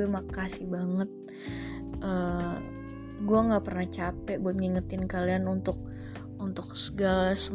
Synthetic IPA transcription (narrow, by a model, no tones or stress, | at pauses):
ɛmakasɪhbaŋət̪̚ | ʔə | ɡuaŋɡaʔpərnaht͡ʃapɛʔbut̪̚ŋiŋət̪ɪnkalianunt̪ʊk̚ | unt̪ʊk̚səɡalasə